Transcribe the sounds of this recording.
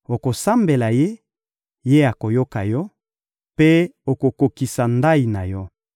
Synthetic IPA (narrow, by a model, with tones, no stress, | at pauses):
o˨ko˨sa˦mbe˨la˨je˦ | je˦a˨ko˨jo˦ka˨jɔ˦ | pe˦o˨ko˨ko˨ki˨sa˨nda˦i˨na˨jɔ˦